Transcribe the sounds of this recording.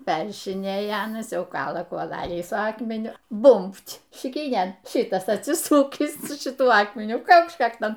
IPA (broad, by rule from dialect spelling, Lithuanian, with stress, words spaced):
ˈpʲɛrʲrʲɪʃʲɪnʲeːjɛ ˈɑːnɐs ˈjɛʊ ˈkɑːlˠɐ kuɔˈlˠɑːlʲiː sʊ ˈɑːkmʲɛnʲʊ ˈbʊmʲpʲtʲ ʃʲɪˈkʲiːnʲeːn ˈʃʲɪtɐs ɐtʲˈsʲɪsʊkʲiːs sʊ ʃʲɪˈtuɔ ˈɑːkmʲɛnʲʊ ˈkɐʊkʃt͡ʃ ˈkɑːktoːn